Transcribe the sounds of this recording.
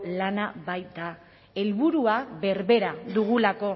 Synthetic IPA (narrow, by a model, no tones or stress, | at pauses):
lanaβajt̪a | e̞lβuɾuaβe̞ɾβe̞ɾaðuɣ̞ulako̞